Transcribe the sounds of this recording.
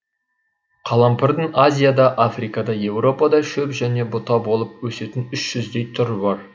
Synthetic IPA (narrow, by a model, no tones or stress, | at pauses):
qʰɑlˠɑmpʰɪɾd̪ɪŋazʲijad̪ɑʔafrikɑd̪ɑje̞wɾo̞pɑd̪ɑʃɵpʒæne̞bʊt̪ɑbo̞lˠəp̚wɵse̞t̪ɪnʏʃʒ̥ʏzd̪e̞jt̪ʰʊɾəbɑɾ